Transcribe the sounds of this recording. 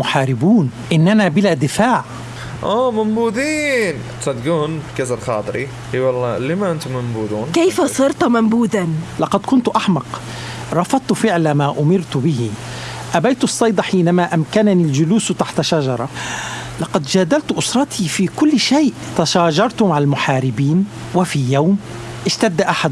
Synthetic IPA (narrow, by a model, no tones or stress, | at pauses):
ʊħaːɾɪbuːn | ʔɪnːʔanabɪlad̪ɪfaːʕ | ʔæːmʊmbud̪iːn | t̪sɑd̪ɡuːnbkæzalxɑ̰ːt̪ˤɾi | hiwɑlˤːɑlːimæʔənt̪ʊmːʊmbud̪uːnkajfasˤɨɾt̪mambuːd̪anlɑqɑd̪kʊnt̪ʔaħmɑq | ɾˤɑfɑd̪̚ˤt̪fɪʕlamaːʔʊmɪɾt̪bɪɦiʔabajt̪sˤːɑjd̪ˤɑħiːnamaʔamkananɪlʒʊluːst̪aħt̪ʃaʒɑɾˤɑlɑqɑd̪d͡ʒaːd̪alt̪ʔʊsɾˤɑt̪ʰifikʊlːʃeːʔt̪aʃaːʒɑɾˤt̪ʊmaʕalmʊħaːɾɪbiːn | wɪfijawm | ʔɪʃt̪ad̪ːaʔaħad̪